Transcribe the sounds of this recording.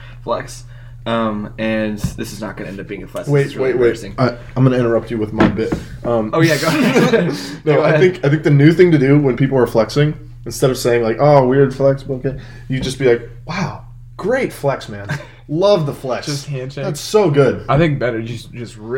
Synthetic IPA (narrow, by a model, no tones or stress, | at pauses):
flɛ̰ks | ʔʌ̃mɨ̃nðɪsɨznə̰t̚ɡ̥ʌnɨɛ̃ndʌp̚b̥iɪ̃ŋɨflɛ̰kweɪtsweɪʔ̚weɪsɪ̃ŋaɪãɪ̃mɡʌñəɪ̃ɾ̃ə˞ʌp̚t͡ʃɨwɨðmaɪbɪt̚ | ʔʌ̃moʊjæɡo | noʊaɪθɪ̃ŋkaɪθɪ̃ŋk̚ðɨnʉθɪ̃ŋtɨdʉwə̃npipl̩ˠə˞flɛksɪ̃ŋ | ɨ̃nstɛɾʌv̥seɪɪ̃ŋlaɪkɔwɪɹd̥flɛkswʌoʊkʰeɪ | jɨd͡ʒʌsb̥ilaɪk̚ | waʊ | ɡ̥ɹeɪtflɛksmæ̃n | lʌvðəflɛkʰæ̃nt͡ʃætsoʊɡʊd̥̚aɪθɪ̃ŋk̚b̥ɛɾə˞jɨd͡ʒʌst̚ɪ